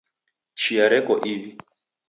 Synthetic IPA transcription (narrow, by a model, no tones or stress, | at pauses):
t͡ʃʰiaɾɛkɔʔiβi